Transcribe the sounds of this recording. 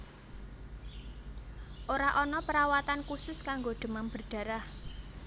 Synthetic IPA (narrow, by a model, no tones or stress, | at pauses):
ʔoɾaʔɔnɔpəɾawat̪ankusʊskaŋɡoɖ̪̥ə̤mamb̥ərɖ̥ä̤ɾah